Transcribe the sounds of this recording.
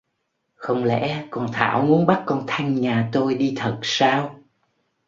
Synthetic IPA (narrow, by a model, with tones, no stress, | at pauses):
xə˧wŋ͡mlɛ̰˧˥kɔ˨˩nt̪ʰa̰ː˧˩wmu˨˦ənɓa˦˥k̚kɔ˧nt̪ʰa˧jŋ̟ɲaː˨˩t̪o˧jɗi˧t̪ʰə˨˩t̚saː˧w